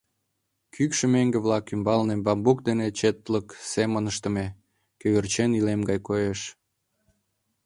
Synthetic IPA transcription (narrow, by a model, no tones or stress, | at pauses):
kʰykʃĕmeŋɡeβlɑkymbɑlnebɑmbuk̚d̪enet͡ɕet̪ləksemənəʃt̪ə̆me | køβert͡ɕenilemɡɑjkojeʃ